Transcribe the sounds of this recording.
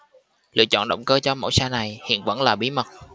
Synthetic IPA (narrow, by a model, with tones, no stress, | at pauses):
lɨ̰˧˨ət͡ɕɔ̰˧˨nɗə̰˧˨wŋ͡mkəː˧t͡ɕɔ˧mo̰˧˥jsaː˧na˨˩jhḭ˧˨ənvə̰˧˥nlaː˨˩ɓi˨˦mə˨˩t̚